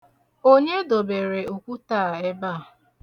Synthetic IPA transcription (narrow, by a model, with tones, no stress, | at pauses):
o˦ɲe˦do˨be˨ɾe˨u˨kʷu˦taː˦˨e˦ba˦˨